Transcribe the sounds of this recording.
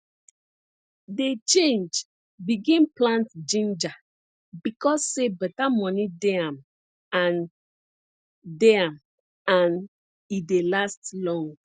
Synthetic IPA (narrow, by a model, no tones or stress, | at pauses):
det͡ʃẽnd͡ʒ | biɡĩnplãntd͡ʒĩnd͡ʒa | bikɔsːebɛtamɔnideãm | ãn | deãm | ãn | idelastlɔ̃ŋ